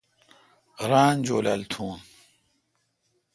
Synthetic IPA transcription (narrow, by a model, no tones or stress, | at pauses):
ɾaːnd͡ʑoːlɐlt̪ʰuːn